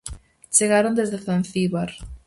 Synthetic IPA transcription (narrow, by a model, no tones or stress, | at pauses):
t͡ʃeɣaɾond̪ezðeθanθiβaɾ